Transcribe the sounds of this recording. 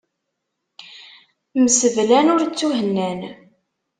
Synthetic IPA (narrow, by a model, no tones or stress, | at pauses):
məsəvlænʊɾt͡sːuɦənːæn